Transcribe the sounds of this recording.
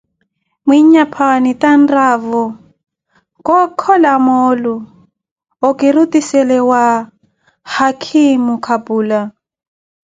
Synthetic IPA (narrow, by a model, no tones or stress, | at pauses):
mwiɲapʰanitanravɔ | kʼɔkʰɔlamɔlu | ɔkiɾutisɛlɛwa | hakʰimukʰabuːla